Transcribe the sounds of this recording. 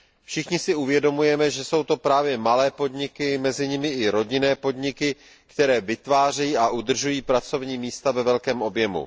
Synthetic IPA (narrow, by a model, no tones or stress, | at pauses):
fʃɪxɲɪsɪuvjɛdomujɛmɛʒɛso̞wt̪o̞pɾaːvjɛmalɛːpo̞dɲɪkɪmɛzɪɲɪmɪɪɾo̞ɟɪnɛːpo̞dɲɪkɪ | kt̪ɛɾɛːvɪt̪vaːr̝ɛjiːʔaʔud̪r̩ʒujiːpɾat͡so̞vɲiːmiːst̪avɛvɛlkɛːmʔo̞bjɛmṵ